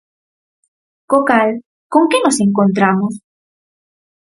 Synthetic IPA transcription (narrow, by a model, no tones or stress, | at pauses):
kokal | ko̞ŋkeno̞se̞ŋkont̪̬ɾamos